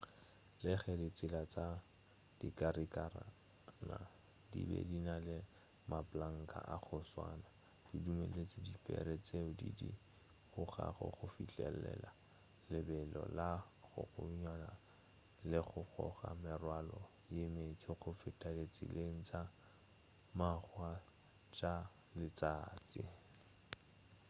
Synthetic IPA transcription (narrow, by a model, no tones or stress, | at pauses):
lɪχɛdɪt͡sʼɪlat͡sʼa | d̥ikʼaɾikara | na | dibɛ̰dinalɪ | mapʼlaŋ̩kʼa̰ʔaχʊswa̰ːna | d̥idumelet͡sɪdipʰʼɛ̰ɾet͡sʼeʊdidi | χʊχa̰χɔ̰χʊfit͡ɬʼɛlɛla | lɪbɛlɔlaχʊ̰ɣʊɲwana | lɪχʊχɔχamɪrwalɔ | jemet͡sʼɪχʊfɪtʼalet͡sʼḭleŋ̩t͡sʼa | maχwa | t͡ʃʼa | lɪt͡sʼaːt͡sʼɪ